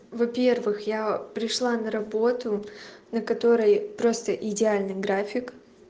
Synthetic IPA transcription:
vɐpʲe̞rvɨxjapɾʲɪʂlˠanəɾɐbo̞t̪ʊnəkɐt̪o̞ɾəjpɾo̞st̪əʔɪdʲɪalʲnɨjɡɾafʲɪk

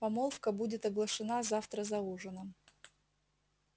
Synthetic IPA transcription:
pɐmolˠfkəbudʲɪt̪ɐɡlˠəʂɨnazaft̪ɾəzɐuʐɨnə

